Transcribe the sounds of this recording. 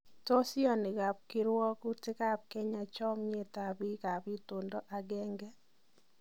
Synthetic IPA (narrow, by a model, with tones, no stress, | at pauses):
to˦si˦ɔ˦nɪ˨ɣa˨p̚kɪ˦ɾwɔ˦ku˦tɪ˦ka˦p̚kɛ˦ɲa˨t͡ʃɔ˦mɲe˦˨ta˨bi˦ka˨bi˦to˨ndɔ˦ʔa˨ɡɛ˦ŋɡɛ˦